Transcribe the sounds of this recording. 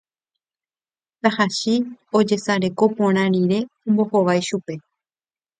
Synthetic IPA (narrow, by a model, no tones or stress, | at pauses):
t̪ahaʃio̞d͡ʒe̞saɾe̞ko̞põɾ̃ãɾ̃iɾe̞õmbo̞hoʋajʃupe̞